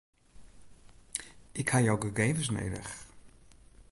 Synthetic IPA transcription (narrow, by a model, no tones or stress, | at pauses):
ʔɪkhajɔwɡəɡejvəs̬nḛjdə̰x